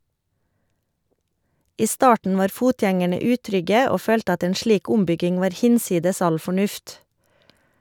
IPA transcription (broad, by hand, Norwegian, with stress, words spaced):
ˈiː ˈstɑːʈn̩ ˈʋɑːɾ ˈfuːtjɛŋæɳə ˈʉːtɾʏɡə ˈoː ˈføːlt ˈɑt ˈeːn ˈʃliːk ˈʊmˌbʏɡɪŋ ˈʋɑːɾ ˈhɪnˌsiːdəs ˈɑl fɔˈɳʉft